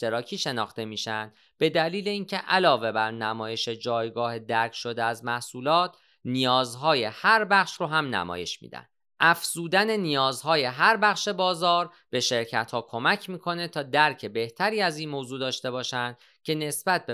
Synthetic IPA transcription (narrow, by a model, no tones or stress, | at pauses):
t̪eɾɒːcʰiːʃe̞nɒːxt̪e̞miːʃænd̪̥ | b̥e̞d̪æliːleiːncʰe̞ʔælɒːve̞bæɾnæmɒːje̞ʃe̞d͡ʒɒːjɡɒːhe̞d̪æɾcʰʃo̞d̪eæzmæhsuːlɒːt̪ʰ | nijɒːzɦɒːje̞hæɾbæχʃɾoɦæmnæ̰mɒ̰ːje̞̰ʃmḭːd̪æ̰n̥ | ʔæfz̥uːd̪æne̞nijɒːzhɒːje̞ɦæɾbæχʃe̞bɒːzɒːɾ | b̥e̞ʃe̞ɾcʰæt̪hɒːkʰo̞mæcʰmiːkʰo̞ne̞t̪ʰɒːd̪æɾcʰe̞be̞ht̪ʰæɾiːæziːnmoːzuːd̪ɒːʃt̪e̞bɒːʃænd̪̥ | cʰe̞ne̞sb̥æt̪̚be